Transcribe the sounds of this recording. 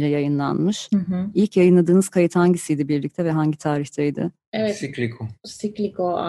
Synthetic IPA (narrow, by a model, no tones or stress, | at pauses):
lʲɛjajɯnlˠa̰nmɯʃɦ̩ilʲcjajɯnlˠad̪ɯːnɯz̥kʰajɯt̪haɲɟisijd̪ibiɾlʲic̚t̪ʰɛvɛɦaɲɟit̪ʰaːɾiçt̪ʰɛjd̪ɪ̰ | ɛvɛsiklʲikʰosiklʲikoa